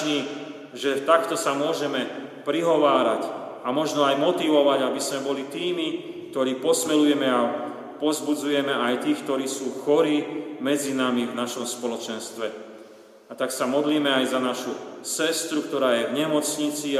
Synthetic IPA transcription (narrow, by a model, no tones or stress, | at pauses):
niː | ʒɛt̪akt̪ɔsamʊɔʒɛmɛpɾiɦɔʋaːɾacamɔʒnɔajmɔt̪iʋɔʋaɟabismɛbɔlit̪iːmi | k̚t̪ɔɾiːpɔsmɛlujɛmɛa | pɔzbud͡zujɛmɛajt̪iːxkt̪ɔɾiːsuːxɔɾiːmɛd͡zinamivnaʃɔmspɔlɔt͡ʃɛnst̪ʋɛ | at̪aksamɔd̪liːmɛajzanaʃusɛst̪ɾukt̪ɔɾaːjɛvɲɛmɔt͡sɲit͡si